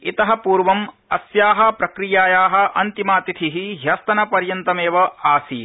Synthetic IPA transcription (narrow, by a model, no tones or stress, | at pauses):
it̪ɐɦɐpuːɾʋɐm | ɐsjaːɦɐ̆pɾɐkɾijaːjaːɦɐ̆ʔɐnt̪imaːt̪it̪ʰiɦiɦjɐst̪ɐnɐpɐɾjɐnt̪ɐmeːʋɐaːsi